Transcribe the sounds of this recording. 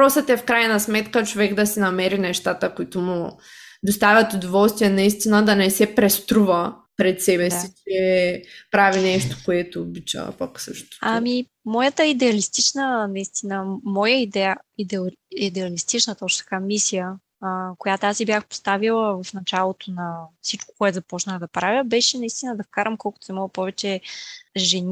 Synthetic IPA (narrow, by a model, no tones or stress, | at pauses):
pɾɔsət̪ɛfkɾajnɐsmɛt̪kət͡ʃovɛɡd̪ɐsɛnɐmɛɾinɛʃt̪at̪əkʊit̪omʊd̪ost̪avʲɐt̪ʊd̪ovɔlˠst̪viɛnɐist̪inəd̪ɐnɛsɛpɾɛst̪ɾuvəpɾɛt̪sɛbɛsit͡ʃɛpɾavinɛʃt̪o̥koɛt̪oːbit͡ʃa̰vɐ̰pɐ̰ksəʃt̪ʊ̥ami | mɔjət̪əid̪ɛɐlist̪it͡ʃnənɐist̪inəmɔjəid̪ɛjəid̪ɛid̪ɛɐlist̪it͡ʃnət̪ɔt͡ʃnt̪ɐ̥kamisijə | kojat̪oasibʲjaxpo̥st̪avilˠəvɐfnɐt͡ʃalˠot̪ʰonɐfsit͡ʃko̥koɛt̪zɐpɔt͡ʃnəxəd̪ɐpɾavʲjəbɛʃɛnɐist̪inəd̪ɐfkaɾəmkɔlˠkʊt̪o̥sɛmɔɡəpɔvɛt͡ʃɛ | ʒɛn